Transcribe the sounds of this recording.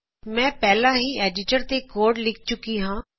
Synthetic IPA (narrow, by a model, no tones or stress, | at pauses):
mɛ̃ːpɛːlãːɦiːeːɖɪʈəɾt̪ekoːɾɖlɪk̚ʰt͡ʃʊkiɦãː